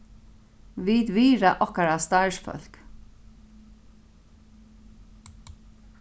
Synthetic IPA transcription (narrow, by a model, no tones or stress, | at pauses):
viːt̪viːɹa̰ʔɔhkaɹast̪aɪsfœ̰l̥k